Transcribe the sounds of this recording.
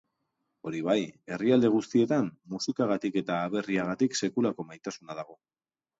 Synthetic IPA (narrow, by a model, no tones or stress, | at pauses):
o̞ɾiβ̞aje̞riald̪e̞ɣ̞ust̪ie̞t̪amːusikaɣat̪ike̞t̪aːβ̞e̞riaɣat̪ikse̞kulako̞majt̪asunað̞aɣ̞o̞